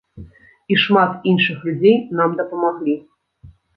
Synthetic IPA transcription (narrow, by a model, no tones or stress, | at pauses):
iʂmat̪inʂɨxlʲud͡zʲejnamd̪ɐpɐmaɣlʲi